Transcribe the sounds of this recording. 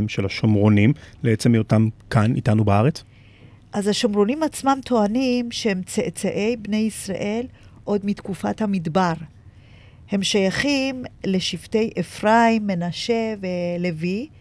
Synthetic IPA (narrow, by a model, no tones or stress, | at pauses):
mʃelaʃomʁonimleet͡semiotamkanḭtanubaaʁet͡s | ʔazhaʃomʁo̞nimat͡smamt̪ʰo̞animʃehemt͡seʔt͡saʔe̞jbne̞jisʁa̰ʔe̞l | ʔo̞dmitkufathamidbaʁ | he̞mʃajaχimle̞ʃivte̞jʔefʁaimːe̞naʃe̞velevi